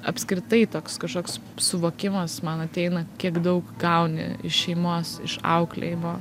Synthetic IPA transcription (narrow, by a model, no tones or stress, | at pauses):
ɐpʲsʲkɾʲɪt̪ɐɪt̪oːkskɐʃkoːks | sʊʋoːkʲɪmɐsmɐnɐt̪ʲɛɪnɐkʲiɛkd̪ɐʊkɡɐʊnʲɪ̰ɪ̰ʃʃʲɛɪmoːsɪ̰ʃɐ̰ʊklʲḛjɪmoː